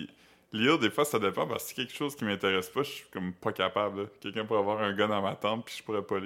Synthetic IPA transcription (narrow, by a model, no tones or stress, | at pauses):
i | lild̪efwasad̪epɑ̃pa̰ʁse̥kʲɛlkə̥ʃoz̥kʲimɛ̃t̪eʁɛspʌʃsi̥kɔmpʌkapabləkʲɛlkʲœ̃puʁɛavwɑːʁɛ̃ɡɔd̪ɑ̃mat̪ɑ̃ːt̪̚pi̥ʒ̥puʁɛpʌl